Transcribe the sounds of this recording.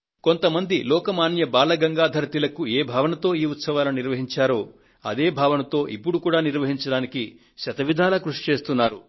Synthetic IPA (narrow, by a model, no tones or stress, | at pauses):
ko̞nt̪ɐmɐnd̪ilɔːkɐmaːnjɐbaːlɐɡɐŋɡaːd̪ʱɐɾɐt̪ilɐkueːbʱaːʋɐnɐt̪o̞ːiːut̪sɐʋaːlɐniɾʋɐɦiɲt͡ʃaːɾoː | ɐ̰d̪e̞ːbʱaːʋɐnɐt̪o̞ːʔipːuɽukuːɽaːniɾʋɐɦiɲt͡ʃɐɽaːniki | ʃɐt̪ɐʋid̪ʱaːlɐkɾuʂi̥t͡ʃe̞ːst̪unːaːɾu